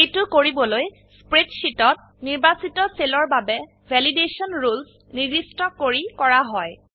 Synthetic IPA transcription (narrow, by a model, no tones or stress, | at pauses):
ejtʊkoɹibɔloj | spɹetʃitɔt̚ | niɹbasitɔselɔɹbabɛ | vʱɛlideʃiɔnɹuls | nidistɔkoɹikɔɹaɦɔj